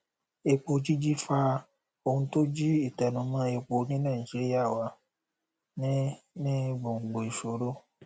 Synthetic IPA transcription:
e˧k͡po˧d͡ʒi˦d͡ʒi˦fa˧ | o˧hũ˧to˦d͡ʒi˦i˦˨tɛ˨nũ˨˦mã˧˦e˧k͡po˧nĩ˦nãː˦˨i˨d͡ʒi˨˦ɾi˦a˦˨wa˨˦ | nĩ˦ | nĩ˦ɡ͡bo˨ŋ̩˨ɡ͡bo˨i˨ʃo˨˦ɾo˦

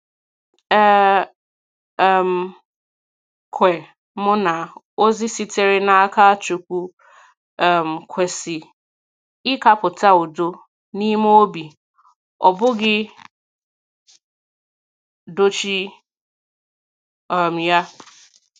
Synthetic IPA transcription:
ɛ˦˨ | m̩˨ | kʰʷe˨ | mʊ˦na˨ | o˦zɪ˦si˦te˨ɾe˦na˨a˦ka˦t͡ʃu˨kʷu˦ | ɛ˨m̩˨kʷʰe˨sɪ˨ | ɪ˦ka˦pʊ˨ta˦o˨do˦ | ni˦m˦o˦bi˨ | ɔ˨bʊ˦ɡɪ˦ | do˦t͡ʃi˦ | ɔ˨m̩˨ja˦

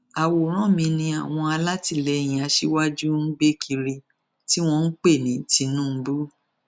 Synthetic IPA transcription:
a˨wo˨˦ɾ̃ɔ̃˦mĩ˧nĩ˧a˨w̃ɔ̃˧a˧la˦ti˧lɛ˧˨j̃ĩ˨a˧˦ʃi˦wa˦d͡ʒu˦n̩˦ɡ͡be˦kʰi˧ɾi˧ | ti˦w̃ɔ̃˧n̩˦k͡pe˦˨nĩ˨˦ti˧nũ˦bu˦

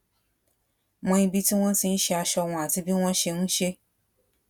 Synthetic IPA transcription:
mɔ̃˧ĩ˧bi˦ti˦w̃ɔ̃˦si˧n̩˦ʃɛ˧a˧ʃɔ˧w̃ɔ̃˧a˨ti˧bi˦w̃ɔ̃˦ʃe˧ñũ˦ʃe˧

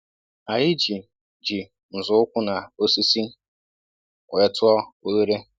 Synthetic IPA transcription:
a˨jɪ˦d͡ʒi˨ | d͡ʒi˨ | n̩˨zʊ˨ʊ˦kʷʊ˦na˨o˦si˦si˦ | wʷɛ˦tʊ˦ɔ˦o˦le˦ɾe˦

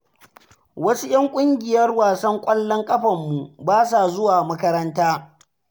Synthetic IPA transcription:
wɐ˦su˦j̰ɐ˦ŋkʷʼʊ˦ŋɡʲɪ˨jɐ˦rwaː˨sɐ˦ŋkʷʼɐ˦lːɔ˦ŋkʼɐ˦ɸɐ˨mːu˨baː˦sa˨zʊ˦waː˨mɐ˦kɐ˦ɾɐ˦ntaː˦

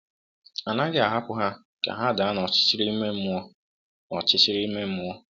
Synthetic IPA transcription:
a˨na˦ɡɪ˦a˨ɦa˦pʊ˦ɦa˦ | ka̰˨ɦa˦da˨a˦nɔ˨t͡ʃɪ̥˦t͡ʃɪ˦ɾi˦me˦m̩˦ɔ˦ | ɔ˨t͡ʃɪ˦t͡ʃɪ˦ɾi˦me˦m̩˦ʊ˦ɔ˦

